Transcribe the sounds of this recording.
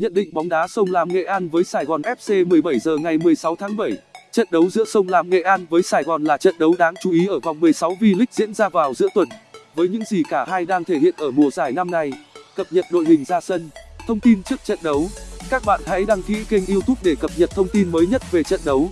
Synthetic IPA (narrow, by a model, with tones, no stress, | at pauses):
ɲə̰˧˨nɗḭ̈˧˨ŋ̟ɓɔ˨˦wŋ͡mɗaː˨˦sə˧wŋ͡mlaː˨˩mŋḛ˧˨ʔaː˧nvəː˨˦jsaː˨˩jɣɔ˨˩nʔɛ˦˥p̚se˧mɨ˨˩əjɓə˧˩jzəː˨˩ŋa˨˩jmɨ˨˩əjsa˨˦wt̪ʰaː˨˦ŋɓə˧˩jt͡ɕə̰˧˨nɗə˨˦wzɨ̰˧˥əsə˧wŋ͡mlaː˧˩mŋḛ˧˨ʔaː˧nvəː˨˦jsaː˨˩jɣɔ˨˩nlaː˨˩t͡ɕə̰˧˨nɗə˨˦wɗaː˨˦ŋt͡ɕu˨˦ʔi˨˦ʔəː˧˩va˨˩wŋ͡mmɨ˨˩əjsa˨˦wvi˧lï˦˥k̟̚zḭ˧˥ənzaː˧vaː˨˩wzɨ̰˧˥ət̪wə˨˩nvəː˨˦jɲɨ̰˧˥ŋzi˨˩kaː˧˩ɦaː˧jɗaː˧ŋt̪ʰe˧˩hḭ˧˨ənʔəː˧˩mu˨˩əzaː˧˩jna˧mna˧jkə˨˩p̚ɲə˨˩t̚ɗo̰˧˨jhï˨˩ŋ̟zaː˧sə˧nt̪ʰə˧wŋ͡mt̪i˧nt͡ɕɨ˦˥ək̚t͡ɕə̰˧˨nɗə˨˦wkaː˦˥k̚ɓa̰ː˧˨nha̰˧˥jɗaː˧ŋkḭ˧˥ki˧ŋ̟ʔi˧əwt̪ʊ˦˥p̚ɗe˧˩kə˨˩p̚ɲə˨˩t̚t̪ʰə˧wŋ͡mt̪i˧nməː˨˦jɲə˦˥t̚ve˨˩t͡ɕə̰˧˨nɗə˨˦w